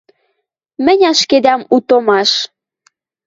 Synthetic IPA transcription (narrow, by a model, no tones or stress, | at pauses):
mə̆nʲɑʃked̪ɑmut̪omɑʃ